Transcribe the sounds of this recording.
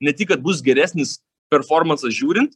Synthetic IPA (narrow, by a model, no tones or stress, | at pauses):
nʲɛt̪ʲɪkːɐt̪̚bʊsɡʲɛɾʲæːsʲnʲɪs | pʲɛɾfoːɾmɐnsɐsʒʲuːɾʲɪnt̪